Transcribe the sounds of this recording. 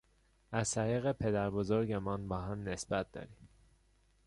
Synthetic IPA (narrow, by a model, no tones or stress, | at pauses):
æzt̪æɾiːɣepʰe̞d̪æɾbozoɾɟemɒːnbɒːɦæmne̞sbæt̪̚d̪ɒ̰ːɾim